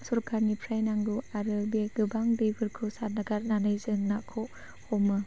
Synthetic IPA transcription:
sɔɾkʰaɾnipʰɾajnaŋɡuaɾɯbeɡɯbaŋdebɯɾkʰɯsat̚naɡaɾnanɯjzɯŋnakʰoʔ | hɔmɯ

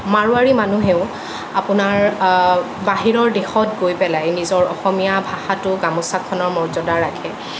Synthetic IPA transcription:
maɹuaɹimanuɦɛʊ | apʊnaɹ | baɦiɹɔɹdexɔtɡojpɛlajnizɔɹɔxɔmijabʱaxatʊɡamɔsakʰɔnɔɹmɔɹzɔdaɹakʰɛ

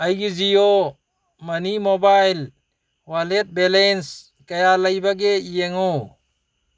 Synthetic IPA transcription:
ɐjɡizijo | mɐnimobaːjl | walet̪̚belens | kɐjalɐjbɐɡeijeŋoː

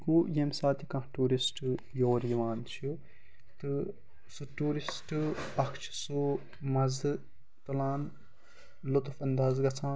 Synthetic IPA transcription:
kujemsaːt̪ʰikɐ̃ʈuːɾisʈɨ | joːɾjɐʋaːnt͡ʃʰju | t̪ɨ | suʈuːɾisʈɨɐkʰt͡ʃʰsu | mɐzɨ | t̪ɐlaːn | lot̪fɐnd̪aːzɡɐt͡sʰãː

